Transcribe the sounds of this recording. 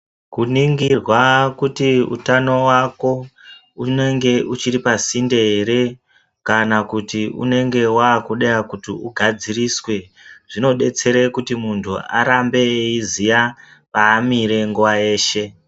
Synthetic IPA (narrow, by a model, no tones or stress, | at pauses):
kuniŋɡirwakutiṵtano̞wako̞ | une̞ŋɡe̞ʔut͡ʃiɾipasindeɦeɾe̞ | kanakutiṵne̞ŋɡe̞waːkuɗejakutiuɡʱad͡ziriswe̞ | ʐ̥ino̞ɗe̞t͡se̞ɾekutimuntʰṵa̰ɾambe̞izija | paːmiɾe̞ŋɡuwaje̞ːʃe̞